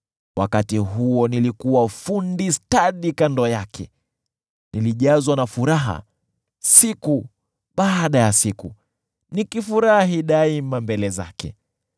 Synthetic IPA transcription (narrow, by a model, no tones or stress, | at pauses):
wa̰katiɦuɔnilikuwafundistaɗikandɔjakʰɛ̰ | niliʄazwanafuɾaɦa̰ | siku | ɓaːɗajasiku | nikifuɾahaɦiɗaimambɛlɛza̰kɛ̰